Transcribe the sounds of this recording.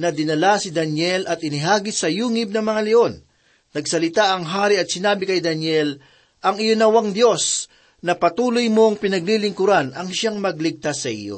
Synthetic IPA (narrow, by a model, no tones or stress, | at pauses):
nɐd̪ɪnɐlasɪd̪ɐnjɛlɐt̪ɪnɪɦaːɡɪsɐjuːŋɪb̚nɐŋmɐŋalɛʔo̞nː | ɐɡsɐlɪt̪aʔɐŋɦaːɾiɐt̪̚sɪnaːbɪkɐjd̪ɐnjɛl | ʔɐŋɪjonɐwaŋd̪jo̞s | nɐpɐt̪uːlojmo̞ŋpɪnɐɡ̚lilɪŋkʊɾanɐŋʃaŋmɐɡ̚lɪɡ̚t̪asːɐʔɪ̰jo̞̰